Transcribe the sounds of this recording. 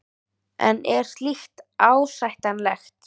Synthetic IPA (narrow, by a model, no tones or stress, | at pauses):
ɛ̰nɛɾ̥st̪lixt̪aːwsajht̪anlɛxt̪